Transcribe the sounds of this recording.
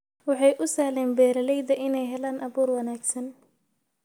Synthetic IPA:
wɑħɑjʔʊsɐːhlɛːnbɛːɾɐlɛjd̪ɐʔɪnɛjɦɛlaːnʔɐβuːrwɑnaːɡsɐn

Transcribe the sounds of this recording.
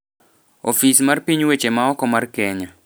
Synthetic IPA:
ofismarpiɲwet͡ʃemaɔkɔmarkɛɲa

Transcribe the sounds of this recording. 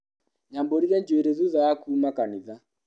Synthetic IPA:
ɲamboɾiaɲd͡ʒoeɾeðuðajakuːmakaniða

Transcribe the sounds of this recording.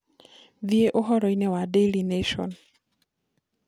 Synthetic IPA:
vieʔoɦɔɾɔinɛwadelineʃɔ̰n

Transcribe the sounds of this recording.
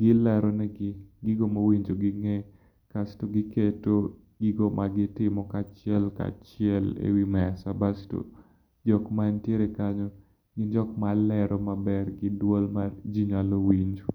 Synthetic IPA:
ɡɪlaɾɔnɛɡɪɡiɡomawiɲd͡ʒoɡɪŋɛ | kastoɡɪketo | ɡiɡomʔaɡɪtɪmɔkat͡ʃɪɛlka̰t͡ʃɪɛlḛwimɛsabasto̰ | d͡ʒɔkmaɲtjeɾɛkaɲɔ | ɡɪnd͡ʒɔkmalɛɾɔmabɛrɡɪdwolmard͡ʒiɲalowiɲd͡ʒo

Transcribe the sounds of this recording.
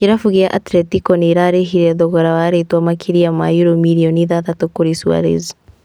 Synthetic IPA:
iɾafuɣijaʔatɾɛtikɔniɾaɾeɦiɾɛðɔɣɔɾawaɾetwamakʰiɾijama̰juɾomiɾiɔniðatatukoɾisua̰ɾḛzi

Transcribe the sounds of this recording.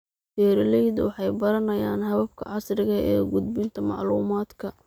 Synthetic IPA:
fɛːɾɪlɛjd̪wɑħɑjbɐɾɐnɐjaːnɦɐβɐb̚kʰɐ̰ʕɑsrɪɣɐʔɛ̰ːɡʊd̪bɪnt̪ʰɐmɑ̰ʕluːmaːd̪kʰɐ

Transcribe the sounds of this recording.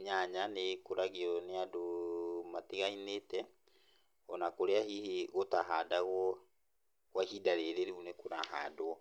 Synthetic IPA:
ɲaɲanekoɾaɣiɔneadomatiɣainetɛ | ɔnakoɾeahiheɣotaɦadaɣɔ | wahidaɾeɾeɾiunekoɾahaːdoɔ

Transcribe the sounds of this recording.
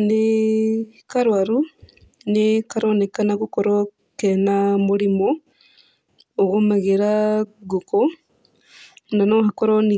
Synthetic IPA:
ne | kaɾwaɾu | nekaɾonekanaɣukoɾo | kenamuɾimo | ɣomaɣeɾaɡuko | nanoɦakoɾoni

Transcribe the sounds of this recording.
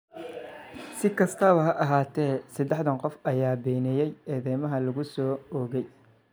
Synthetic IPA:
sɪkʰɐst̪ʰɐβɐɦɐʔɐɦaːt̪ʰɛːsɐd̪ɛħd̪ɐŋqɔfɐjaːbɛːnɛjɛjɛːðɛjmɐɦɐlɐɣʊsɔːɔːɣɛj

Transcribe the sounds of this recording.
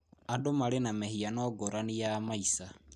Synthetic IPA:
adomaɾenamehianɔɡoɾanijamaisa

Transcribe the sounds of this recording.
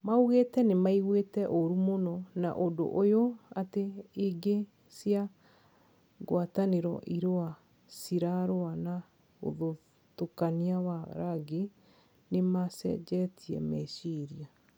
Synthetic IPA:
mauɣetɛnemaiɣwetɛʔoɾumonɔna̰ʔondo̰ʔojoateːɡe | sia | ɡwataneɾɔ̰ʔiɾoa | siɾaɾoana | o̰ðo | tokaniawa̰ɾaɡe | nemasɛ̰d͡ʒɛtʰiɛ̰mɛʃiɾia

